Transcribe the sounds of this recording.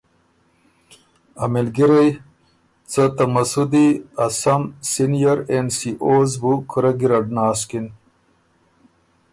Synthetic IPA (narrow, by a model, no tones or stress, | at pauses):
ɐmelɡiɾɐj | t͡sət̪ɐmɐsud̪iɐsɐmsinijɐɾensiʔoːzbukʰuɾɐɡiɾɐɖnaːskin